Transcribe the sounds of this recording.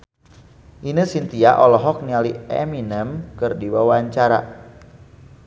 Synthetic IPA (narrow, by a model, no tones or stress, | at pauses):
ʔinəsint̪iaʔɔlɔɦɔk̚nialiɛ̰minəmkɨrdiwawaɲt͡ʃaɾa̰